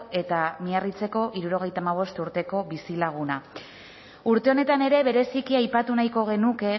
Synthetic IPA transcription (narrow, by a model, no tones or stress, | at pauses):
e̞t̪amiarit͡se̞ko̞ʔiɾuɾo̞ɣ̞e̞jt̪amaβ̞o̞st̪uɾt̪e̞ko̞βisilaɣ̞una | uɾt̪e̞o̞ne̞t̪ane̞ɾe̞βe̞ɾe̞sikiajpat̪unajko̞ɣ̞e̞nuke̞